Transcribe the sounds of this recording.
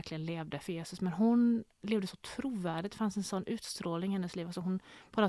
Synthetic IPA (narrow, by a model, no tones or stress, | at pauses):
ɾklɪɡənleːvd̪əfœjeːsɵsmɛnɦʊn | leːvd̪əsɔt̪ʰɾuːvæːɖɪt̪d̪fansɛnsɔnːʔʉ̟ːt̪st̪ɾoːlnɪŋɪhɛnːəsliːvaksɔɦʊnpʰɔla